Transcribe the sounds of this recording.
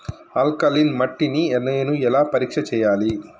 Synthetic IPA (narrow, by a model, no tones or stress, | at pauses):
aːlkaːlinmɐʈːiniɛnːɐjɐnɯɛlaːpɐɾiːkʂɐt͡ʃɛjːaːli